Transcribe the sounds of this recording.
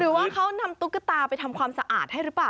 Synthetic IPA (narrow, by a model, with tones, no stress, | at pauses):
ɾɯː˩˦waː˥˩kʰa˦˥wna˧mt̪u˦˥kːa˧˥t̪aː˧pa˧jt̪ʰa˧mkʰwaː˧msa˧ʔaː˨˩t̪̚ha˥˩jɾɯː˦˥plaː˨˩